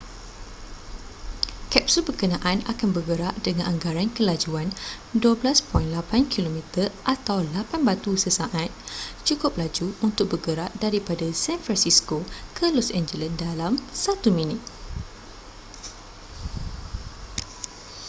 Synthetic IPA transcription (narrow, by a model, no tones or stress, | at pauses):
kɛp̚subərkənãʔana̰kanbərɡəɾaʔdəŋãnʔaŋɡaɾankəlad͡ʒuan | duəblaspɔinlapankʰilomĩt̪ərʔat̪awlapanbat̪usəsaʔat̪̚t͡ʃukʊp̚lad͡ʒuunt̪ʊk̚bəɡəɾaʔdaɾipadasɛnfɾansiskokʰəlɔsɛnd͡ʒəlandalamsat̪umĩnɪt̪̚